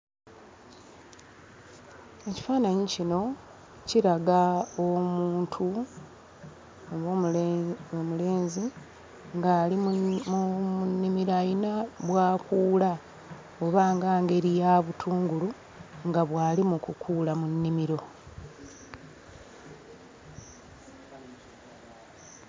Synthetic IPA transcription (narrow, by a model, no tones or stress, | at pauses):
e̞ci̥faːnaɲicino̞ | ciɾaɡaomuːntʰu | oβo | omule̞ːnzi | ŋɡali | munːimiɾajinaβwaːkuːla | oβaːŋɡaːŋɡe̞ɾijaβutʰuːŋɡulu | ŋɡaβwaːlimukukʰuːlamunːimiɾo̞